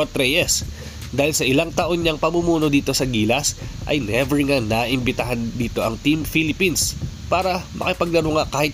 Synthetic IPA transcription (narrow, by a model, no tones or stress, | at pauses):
t̪ɾɛjɛs | d̪aːhɪlsɐʔɪlaŋt̪ɐʔo̞nɲɐŋpɐmumuːno̞d̪iːt̪o̞sɐɡiːlɐsʔɐ̰jnɛvɛɹŋanaʔɪmbɪt̪ɐɦand̪iːt̪o̞ʔɐŋt̪imfilɪpinspaːɾɐmʔɐ̰kɪpɐɡ̚nɐɾʊŋakaːhɪt̪̚